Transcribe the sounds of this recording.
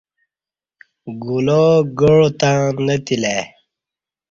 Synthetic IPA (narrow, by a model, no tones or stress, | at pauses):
ɡuloːɡəɻot̪ãnət̪ile